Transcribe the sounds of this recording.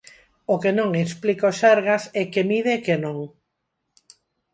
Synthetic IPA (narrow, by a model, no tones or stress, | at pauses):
okenõŋesplikoʃaɾɣasɛkemiðekenõŋ